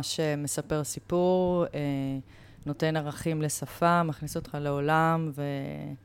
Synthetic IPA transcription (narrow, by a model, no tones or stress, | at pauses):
ʃemesape̞ʁsipuʁe | no̞te̞naʁaχimle̞safamaχnisot̪χaleo̞lamve